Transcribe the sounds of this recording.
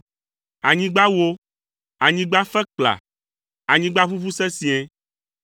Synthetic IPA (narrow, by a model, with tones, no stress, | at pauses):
a˨ɲĩ˦ɡ͡ba˦wo˦ | a˨ɲĩ˦ɡ͡ba˦fɛ˦k͡pla̰˨ | a˨ɲĩ˦ɡ͡ba˦ɸu˦fu˦sɛ˦sĩ˦e˦